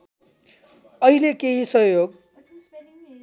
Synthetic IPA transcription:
ʌɦilekeɦisʌɦjoɡ

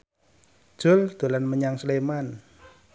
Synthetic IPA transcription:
d̥ʒ̥ʊ̤ld̪̥o̤lanməɲaŋsleman

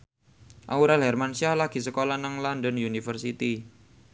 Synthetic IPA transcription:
ʔauɾalɦɛrmansiahlaɡ̥i̤səkolanaŋlandənjunifərsit̪i

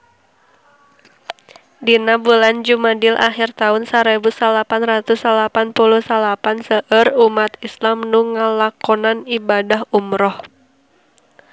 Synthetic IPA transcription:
dinabuland͡ʒumadilʔa̰xirt̪aʊnsaɾebusalapanrat̪usalapanpuluhsalapansəʔərumat̪islamnuŋəlakɔnanibadaɦumɾɔh

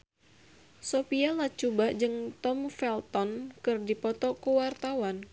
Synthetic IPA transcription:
sopialat͡ʃubaʔd͡ʒɨŋt̪ɔmfɛlt̪ɔnkɨrdipɔt̪ɔkuwart̪awan

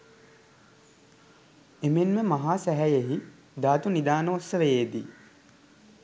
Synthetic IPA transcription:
emenməmaɦaːsæɦæjeɦi | d̪aːt̪unid̪aːnəosəʋejeːd̪ḭ

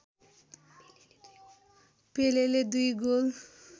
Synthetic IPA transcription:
peleled̪ujɡol

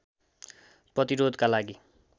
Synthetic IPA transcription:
prʌt̪iɾod̪kalaɡi

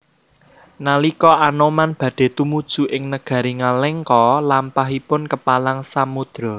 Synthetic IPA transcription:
nalikɔʔanɔmanb̥ä̤ɖ̥e̤t̪umud̥ʒ̥ṳʔɪŋnəɡ̥ä̤ɾiŋalɛŋkɔlampaɦipʊnkəpalaŋsamud̪̥ɾɔ

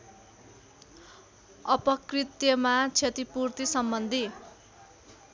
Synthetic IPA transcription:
ʌpʌkrit̪jʌmat͡sʰet̪ipurt̪isʌmbʌnd̪ʱi

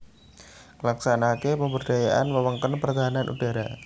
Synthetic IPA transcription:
laksanakepəmbərd̥ajaʔanməwəŋkənpərt̪aɦananʔṵdaɾa

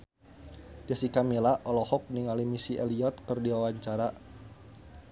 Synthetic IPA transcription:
d͡ʒasikamilaʔɔlɔhɔk̚niŋalimisiʔɛliɔt̪̚kɨrdiwawaɲt͡ʃaɾa

